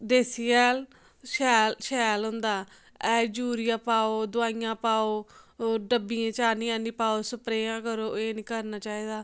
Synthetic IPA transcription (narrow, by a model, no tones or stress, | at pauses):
ɖeːsijɛːl | ʃɛːlʃɛːlɦʊnd̪aː | ɛːd͡ʒuːɾɪjãːpaːoːd̪ʊaːɪjãːpaːoːɖəbiːãːt͡ʃaːnĩːãːnĩːpaːoːsəpɾeːãːkəɾoːeːnĩːkəɾnaːt͡ʃaːiːd̪aː